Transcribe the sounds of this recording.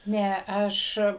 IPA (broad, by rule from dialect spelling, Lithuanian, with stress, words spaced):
ˈnʲɛ ˈɐʃ